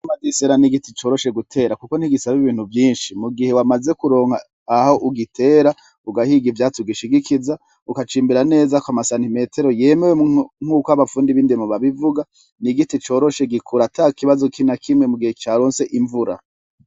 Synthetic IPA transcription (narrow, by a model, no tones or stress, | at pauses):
amadiseɾaniɡitit͡ʃo̞ːɾo̞ʃe̞ɡutʰe̞ːɾakukoniɡisaβiβiːn̥huvjiːnʃimuɡihewamaze̞kuɾo̞ːŋhaː | ho̞ʔuɡitʰe̞ːɾa | uɡahiɡivjaːt͡suɡiʃiɡikʰiza | ukat͡ʃiːmbiɾane̞ːzakoamasantime̞ːtʰe̞ɾoje̞me̞weŋ̥uːkohaβafuːndiβiːndemoβaβivuɡa | niɡitit͡ʃo̞ːɾo̞ʃe̞ɡikʰuɾataːkiβazokʰinakʰimŋe̞muɡihet͡ʃaɾoːnse̞ʔiɱvuɾa̰